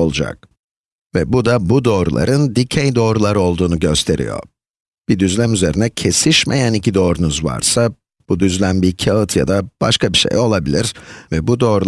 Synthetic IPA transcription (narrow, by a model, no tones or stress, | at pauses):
olˠud͡ʒa̰k̚ | vɛbud̪abud̪o̞ːɾṵlˠa̰ɾɯnd̪icʰejd̪o̞ːɾulˠaɾo̞lˠd̪uːnuɟø̞st̪ʰe̞ɾḭjo̞̰ | b̥id̪yzlʲæmyze̞ɾinɛcʰe̞siʃmḛjænicʰid̪o̞ːɾunuzva̰ɾsa | b̥ud̪yzlʲænbiɾcʰaɯt̪ʰja̰d̪ab̥a̰ʃkʰabiʃḛjo̞lˠabilʲiɾ̥vɛbud̪o̞ːɾu